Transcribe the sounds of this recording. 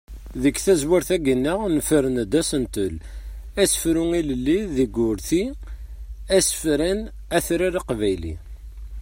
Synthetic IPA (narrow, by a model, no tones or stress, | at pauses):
ðəkːθæzwaɾθæɡənːəʁnəfəɾənd̪æsənt̪əlæsə̥fɾuŋiləlːiðiɡʊɾθi | æsə̥fɾæn | æθɾiɾiqvæjlḭ